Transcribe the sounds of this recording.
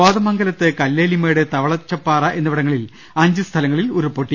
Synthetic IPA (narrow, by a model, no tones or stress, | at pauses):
aːðɐmɐŋɡɐlɐt̪ːɨkɐlːeːlimeːɽet̪ɐʋɐɭɐt͡ɕːɐpːaːrɐʔe̞nːɐʋiɽɐŋːɐɭil | ɐɲd͡ʑɨst̪ʰɐlɐŋːɐɭiluɾupːoʈːi